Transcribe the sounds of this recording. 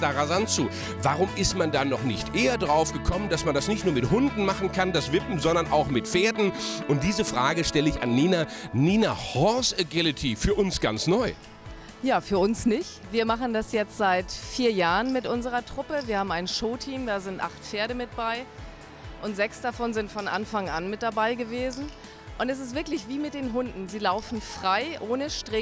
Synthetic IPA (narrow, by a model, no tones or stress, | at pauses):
d̥aʁazant͡suː | vaʁʊmʔɪstmandanɔχnɪçtʔeːɐdʁaʊfɡ̥əkʰɔməndasmandasnɪçtnuɐmɪthʊndn̩maχn̩kʰandasv̥ɪpm̩zɔndɐnʔa̰ʊxmɪtfeːɐdn̩ʔʊnt̚d̥iːzəfʁ̥aːɡəʃtɛləɪça̰nːiːnaniːnahɔsɛɡɪlɪtʰifyːɐʔʊnsɡ̥a̰nt͡snɔʏ | jaːfyːɐʊnsnɪçtviːɐmaχn̩dasjɛt͡stz̥aɪtfiːɐjaːʁənmɪtʔʊnzəʁɐtʁ̥ʊpəviɐhaːbm̩aɪnʃoːtʰiːmdaːzɪntʔa̰χtfeːɐɾəmɪt̚b̥aɪ | ʔʊntz̥ɛksd̥afɔnzɪntfɔnʔa̰nfaŋʔanmɪt̚d̥abaɪɡəveːzn̩ | ʔʊntɛs̬ɪstv̥ɪɐklɪçv̥iːmɪt̚d̥eːnɦʊndn̩ziːlaʊfn̩fʁ̥aɪʔoːnəʃtʁ̥ɪ